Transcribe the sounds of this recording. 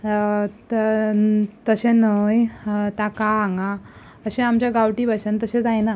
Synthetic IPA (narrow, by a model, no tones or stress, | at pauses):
t̪ | t̪əɕenəjt̪akaːŋɡa | əɕẽamt͡ɕjaɡawʈiːbasənt̪əɕẽd͡zajna